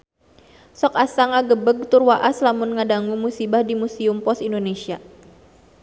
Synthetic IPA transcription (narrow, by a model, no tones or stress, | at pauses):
sɔkasaŋaɡəbəɡ̚t̪urwaʔaslamʊnŋadaŋumusibahdimusiumpɔsindonesia